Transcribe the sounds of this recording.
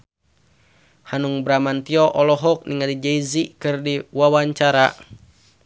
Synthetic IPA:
hanuŋbɾamant̪iɔʔɔlɔɦɔk̚niŋadid͡ʒaizikɨrdiwawaɲt͡ʃaɾa

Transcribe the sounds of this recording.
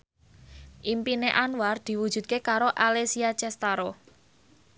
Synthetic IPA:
ʔimpineʔanward̪̥i̤wud̥ʒ̥ṳdt̪̚kekaɾoʔalesiat͡ʃɛst̪aɾo

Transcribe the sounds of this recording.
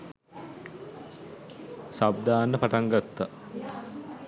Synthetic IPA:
sab̚d̪aːnːəpaʈaŋɡat̪ːa

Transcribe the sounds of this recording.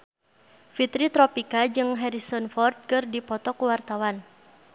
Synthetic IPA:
fit̪ɾit̪ɾɔpikad͡ʒɨŋɦɛɾisɔnfɔrd̪̚kɨrdipɔt̪ɔkuwart̪awan

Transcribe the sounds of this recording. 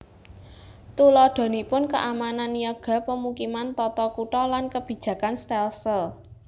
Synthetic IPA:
t̪ulɔɖ̪̥o̤nipʊnkəʔamananjɔɡ̥a̤pəmukimant̪ɔt̪ɔkuʈɔlankəb̥i̤̥d͡ʒ̥ä̤kanst̪ɛlsəl

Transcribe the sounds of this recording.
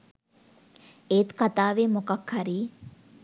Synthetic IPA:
eːt̪kɐt̪aːʋeːmokɐkhɐɾiː

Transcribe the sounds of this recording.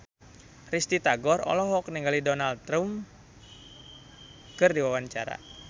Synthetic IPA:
rist̪it̪aɡɔrɔ̰lɔɦɔk̚niŋɡalidɔnalt̪ːɾum | kɨrdiwawaɲt͡ʃaɾa̰

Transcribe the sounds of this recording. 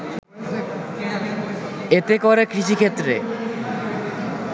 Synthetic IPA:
et̪ekoɾekɾiʃikʰet̪ːɾḛ

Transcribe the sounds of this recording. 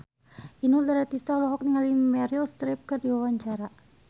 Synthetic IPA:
ʔinuld̪aɾat̪ist̪alɔɦɔk̚niŋalimɛɾilst̪ɾɛp̚kɨrdiwawaɲt͡ʃaɾa

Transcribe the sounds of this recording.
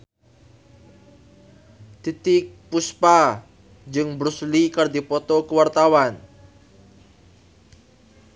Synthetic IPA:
t̪it̪ɪk̚puspa | d͡ʒɨŋbɾuslikərd̪ipɔt̪ɔkəwart̪awan

